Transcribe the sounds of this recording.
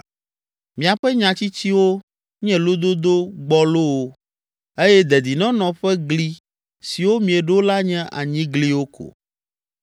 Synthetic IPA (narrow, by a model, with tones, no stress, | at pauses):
mĩ˨a˨ɸɛ˦ɲã˨t͡ɕi˦t͡ɕi˦wo˦ | ɲɛ̃˦lo˦d̪o˦d̪o˦ɡ͡bɔ˦lo˦wo˦ | e˦jɛ˦d̪ɛ˨d̪i˨nɔ̃˦nɔ̃˨ɸɛ˦ɡli˦ | si˨wo˦mĩ˨ɛ˨ɖo˦la˦ɲɛ̃˦ʔa˨ɲĩ˦ɡli˦wo˦kʰo̰˨